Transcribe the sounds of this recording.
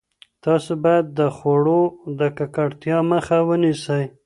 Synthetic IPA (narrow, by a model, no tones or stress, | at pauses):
t̪ɑsobɑjad̪ːəxoɽod̪əkakaɽt̪jɑməxawənisəj